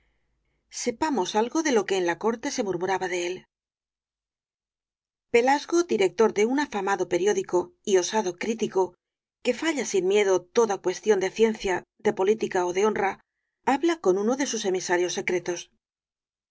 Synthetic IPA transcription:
se̞pamo̞salɣo̞ðe̞lo̞ke̞ːnlako̞ɾt̪e̞se̞muɾmuɾaβaðe̞el | pe̞lazɣo̞d̪iɾe̞k̚t̪o̞ɾðe̞unafamaðo̞pe̞ɾjo̞ðiko̞io̞saðo̞kɾit̪iko̞ | ke̞faʎasinmje̞ðo̞t̪o̞ðakwe̞st̪jo̞nd̪eθje̞n̟θjaðe̞po̞lit̪ikaoðe̞o̞nra | aβlako̞nuno̞ðe̞suse̞misaɾjo̞sːe̞kɾe̞t̪o̞s

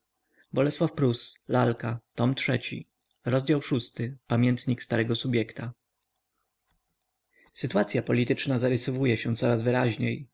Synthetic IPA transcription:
bɔlɛswafpɾuslalkat̪ɔmtʂɛt͡ɕḭ | ɾɔzd͡ʑawʂust̪ɘpamʲjɛnt̪ɲikst̪aɾɛɡɔsubʲjɛkt̪a | sɘt̪uwat̪sʲjapɔlʲit̪ɘt͡ʂnazaɾɘsɔvujɛɕɛt̪sɔɾazvɘɾaʑɲej

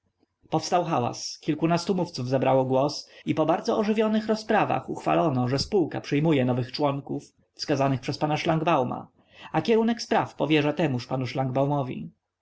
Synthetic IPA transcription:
pɔfst̪awxawa̰skʲilkunast̪umuft̪suvzabɾawɔɡwɔsipɔbaɾd̪zɔɔʐɘvʲjɔnɘxɾɔspɾava̰xuxfa̰lɔnɔʐɛspuwka̰pʂɛjmujɛnɔvɘxt͡ʂwɔŋkufː | skazanɘxpʂɛspanaʂlaŋɡbawma̰ | akʲɛunɛkspɾafpɔvʲjɛʐat̪ɛmuʂpanuʂlaŋɡbawmɔvʲḭ

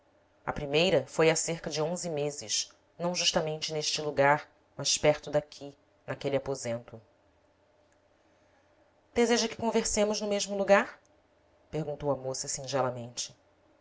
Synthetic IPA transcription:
ɐ̰pɾimejɾɐfojaseɾkɐd͡ʒɪõzɪmezɪʃ | nɐ̃w̃ʒuʃt̪amẽnt͡ʃɪneʃt͡ʃɪluɡaɾ | mɐʃpɛɾt̪ʊd̪akʲʰi | nɐkeliapozẽnt̪ʊ | d̪̥ezeʒɐkɪ̥kõveɾsẽmʊznʊmeʒmʊluɡaɾ | peɾɡũnt̪owɐmosɐsĩʒɛlɐmẽnt͡ʃɪ̥

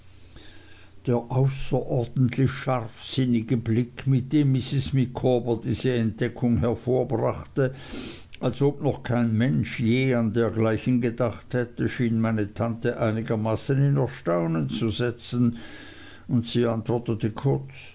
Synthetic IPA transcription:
d̥eːɐʔaʊsɐʔɔɐdn̩tʰlɪçʃaʁfsɪnɪɡəblɪkmɪt̚d̥eːmːɪsɪsmikʰoːbɐdiːz̥əɛnt̚d̥ɛkʰʊŋhɛɐfoːɐbʁaχtə | ʔalsʔoːbnɔχkʰaɪnmɛnʃjeːandeːɐɡlaɪçən̩ɡədaχthɛtəʃiːnmaɪnətʰantəʔaɪnɪɡɐmaːsənɪnɛɐʃtaʊnənt͡suzɛt͡sn̩ | ʊntsiːantv̥ɔɐtətəkʰʊɐt͡s

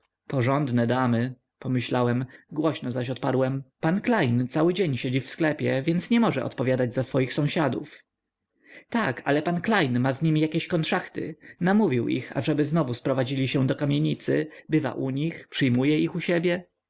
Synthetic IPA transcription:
pɔʐɔnd̪nɛd̪amɘ | pɔmɘɕlawɛmɡwɔɕnɔzaɕ̬ɔt̪̚paɾwɛmpanklajnt̪sawɘd͡ʑeɲɕed͡ʑifsklɛpʲjɛvʲjɛnt̪sɲɛmɔʐɛ̰ʔɔ̰t̪pɔvʲjad̪ad͡ʑzasfɔjixsɔ̃w̃ɕad̪ṵf | t̪akʰalɛpanklajnmazɲimʲijakʲeɕkɔnt̪ʂaxt̪ɘ̰namuvʲiwʔḭxa̰ʐɛbɘznɔvuspɾɔvad͡ʑilʲiɕɛ̃d̪ɔkamʲjeɲit̪sɘbɘva̰ʔuɲixpʂɘjmujɛixuɕebʲjɛ

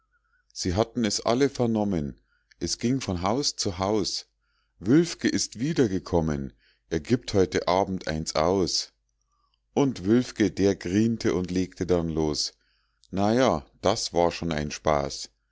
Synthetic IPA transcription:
z̥iːɦatn̩ɛsʔa̰ləfɛɐnɔmən | ʔɛsɡ̥ɪŋfɔnɦaʊst͡suɦaʊs | vʏlfkəʔɪstv̥iːdɐɡəkʰɔmən | ʔeːɐɡiːp̚thɔʏtəʔaːbm̩tʔa̰ɪnsʔa̰ʊs | ʔʊntvʏlfkədeːɐɡʁiːntʰəʔʊntleːktʰədanloːs | najaːd̥asv̥aːɐʃoːna̰ɪnʃpa̰ːs

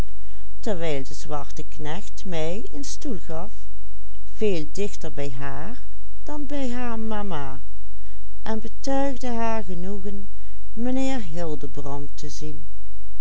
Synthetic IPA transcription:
təɹʋɛjlˠdəzʋɑɹtəknɛxtmɛj | ənstulˠɣɑf | v̥eːlˠdɪxtəɹbɛjɦaːɹ | d̥ɑnbɛjɦaːɹmamaː | ʔɛnbətœɥɣdəɦaːɹɣənuɣən | mənɪːɹɦɪlˠdəbrɑntəzin

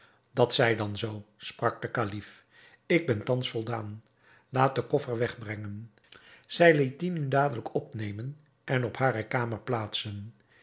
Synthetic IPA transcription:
d̥ɑtsɛjdɑnzowsprɑk̚dəkalif | ɪɡ̚bɛntɑnsfɔlˠdaːn | laːt̚dəkɔfəɹʋɛχbrɛŋən | z̥ɛjlit̚inydaːdələkʰɔpnejmən | ʔɛnɔphaːɾəkaːməɹplaːtsən

